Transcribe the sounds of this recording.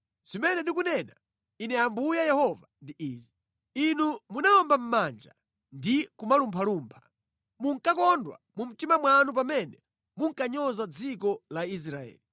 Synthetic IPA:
zimɛnɛndik̬unɛna | inɛambujajɛhɔvandiʔiːzi | inumunaɔmbam̩mand͡ʒa | ndikumalumpʰaluːmpʰḁ | muŋkakɔndwa̰mum̩timamwanup̬amɛnɛ | muŋkaɲɔzad͡zikɔlais̬ɾaɛ̰ːli

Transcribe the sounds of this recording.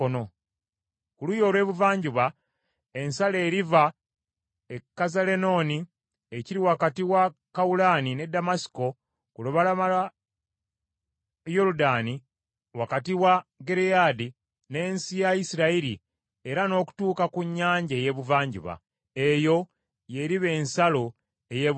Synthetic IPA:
ono | kulujo̞ːlwe̞ːβuvaːɲɟuβa | e̞nsale̞ːɾiva | ekːazale̞no̞ːni | eciɾiwakatiwakaulaːnine̞damasi̥ko̞ | kuloβalamala | joɾudani | wakatiwaɡe̞ɾejaːdi | ne̞ːnsijajisiɾaiɾi | e̞ɾano̞ːku̥tuːkakuɲːaːɲɟeje̞βuvaːɲɟṵβa̰ | e̞jo̞ | je̞ɾiβe̞ːnsalo̞ | e̞je

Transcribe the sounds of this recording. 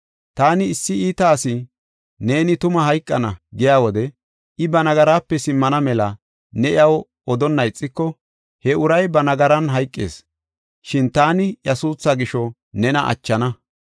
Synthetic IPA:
t̪aːnɪɪsːɪiːt̪ɐːsɪ | ne̞ːnɪt̪ʊmɐɦɐjkʼːɐnɐɡɪjaːwɔd̪ɛ | ʔɪbɐnɐɡɐɾaːpːɛsɪmːɐnɐmɛlɐ | nɛʔɪ̰ɐw | ɔd̪ɔnːɐjt͡sʼːɪkːɔ | hɛʊɾɐjbɐnɐɡɐɾɐnɦɐjkʼːḛːs | ʃɪnt̪aːnɪjɐsuːsːɐɡɪʃɔ | nɛnɐʔɐ̰t͡ʃːɐnɐ

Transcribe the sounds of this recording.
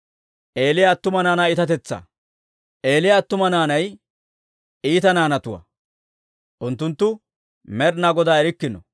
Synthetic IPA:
ʔeːlɪjat̪ːʊmɐnaːnaːɪt̪ɐt̪ɛt͡sːɐ̰ | ʔe̞ːlɪjaːt̪ːʊmɐnaːnɐj | iːt̪ɐnaːnɐt̪ʊwɐ̰ | ʔʊnt̪ːʊnt̪ːʊ | mɛɾnaːɡɔd̪aːɛɾɪkːɪnɔ̰

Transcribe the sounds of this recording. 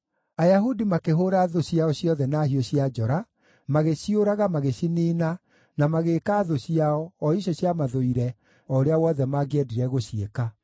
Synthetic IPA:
ajaɦudimakeɦoːɾaːðoɕiaɔɕiɔðɛnaːhioɕiad͡ʒɔɾa | maɣeɕioɾaɣamaɣeɕiniːna | namaɣeːkaːðoɕiaɔːiɕɔɕjamaðoiɾɛ | ɔoɾeawɔðɛmaɡeɛdiɾɛɣoɕieka

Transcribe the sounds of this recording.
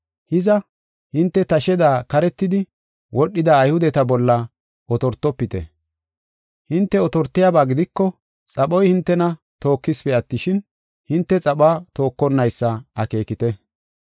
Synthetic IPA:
hɪzɐ | hɪnt̪ːɛt̪ɐʃɛd̪aːkɐɾɛt̪ːɪd̪ɪ | wɔɗːɪd̪ɐːjhʊd̪ɛt̪ɐbɔlːɐ | ʔɔt̪ɔɾt̪ːɔpːɪt̪ɛ̰ | hɪnt̪ːɛɔt̪ɔɾt̪ːɪjabaːɡɪd̪ɪkːɔ | t͡sʼɐɓɔjhɪnt̪ːɛnɐ | t̪o̞ːkːɪspɛɐt̪ːɪʃɪn | hɪnt̪ːɛt͡sʼɐɓaːt̪o̞ːkːɔnːɐjsːɐɐke̞ːkɪt̪ɛ

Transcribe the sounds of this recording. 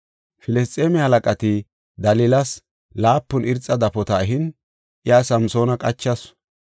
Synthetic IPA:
fɪlɛst͡sʼːeːmɛhɐlɐkʼɐt̪ɪ | d̪ɐlɪlɐs | laːpːʊnɪɾt͡sʼːɐd̪ɐpɔt̪ɐɦɪn | ʔɪjasɐmso̞ːnɐkʼɐt͡ʃːɐs

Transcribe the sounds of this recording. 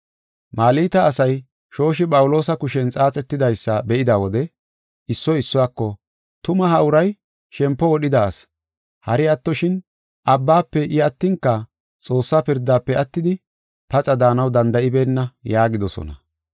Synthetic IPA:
maːliːt̪ɐːsɐj | ʃo̞ːʃɪpʼɐwʊlo̞ːsɐkʊʃɛnt͡sʼaːt͡sʼɛt̪ːɪd̪ɐjsːɐbɛʔɪd̪aːwɔd̪ɛ | ɪsːɔɪsːɔwaːkːɔ | t̪ʊmɐɦɐʊɾɐj | ʃɛmpːɔwɔɗɪd̪aːs | hɐɾɪɐt̪ːɔʃɪn | ʔɐbːaːpːɛʔɪɐt̪ːɪŋkːɐ | t͡sʼo̞ːsːaːpɪɾd̪ːaːpːɛɐt̪ːɪd̪ɪ | pɐt͡sʼɐd̪aːnɐwd̪ɐnd̪ɐʔɪbeːnːɐjaːɡɪd̪ɔsɔ̰nɐ̰

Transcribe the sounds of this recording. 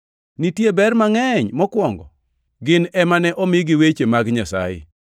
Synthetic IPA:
nitjebɛrmaŋɛɲmɔkwɔŋɡɔ | ɡɪnɛmanɛʔɔmɪɡiwet͡ʃemaɡɲasa̰jɪ̰

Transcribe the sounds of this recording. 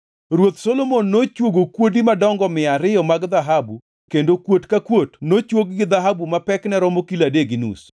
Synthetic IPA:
ɾwot̪solomonːot͡ʃwoɡokwodimadɔŋɡɔmɪaɾɪɔmaɡd̪aɦabu | kendokwotkakwotnot͡ʃwoɡɡɪd̪aɦabumapɛknɛɾɔmokiladeɡinṵs

